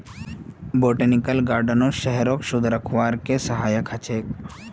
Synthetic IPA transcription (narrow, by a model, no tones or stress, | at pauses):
boːʈənikəlɡaːɾɖənoʃɛɦɛɾokʃʊd̪ʱɾəkʰʋaːɾkesəɦaːjəkɐt͡ʃʰeːk